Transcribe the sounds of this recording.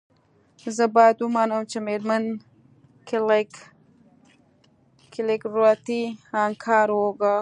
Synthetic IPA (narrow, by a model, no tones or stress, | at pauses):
zəbɑjad̪umɑːnəmt͡ʃemeɾman | kl | kɪlekɾuat̪iɑŋkʰɑːɾwoɡa